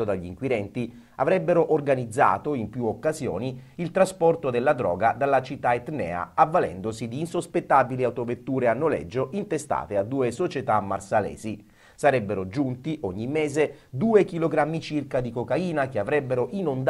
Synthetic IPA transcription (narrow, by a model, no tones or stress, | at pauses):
od̪aʎːiŋkwiɾɛnt̪i | a̰vɾɛbːeɾoʔorɡanid̪zːa̰ːt̪oimpjuokːazjo̰ːniilt̪ɾaspɔrt̪od̪elːad̪ɾɔ̰ːɡad̪alːat͡ʃit̪ːaet̪nɛ̰ːa̰avːalɛ̰nd̪osid̪iːnsospet̪ːabiliawt̪ovet̪ːuːɾeanːolɛ̰d͡ʒːoʔint̪est̪a̰ːt̪ead̪ːuːesot͡ʃet̪amːarsalɛ̰ːzi | saɾɛbːeɾod͡ʒunt̪iʔoɲːimːɛːze | d̪uːekiloɡɾamːit͡ʃirkad̪ikokaiːnak̟eavɾɛbːeɾoʔinond̪